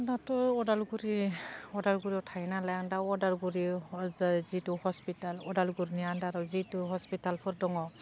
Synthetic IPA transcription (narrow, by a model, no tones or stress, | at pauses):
datɔɔdalɡuɾiɔdalɡuɾiɔtʰajnalaaŋdaɔdalɡuɾi | zituhɔspitalɔdalɡuɾnijandaɾɔzituɦɔspitalpʰɔɾdɔŋɔ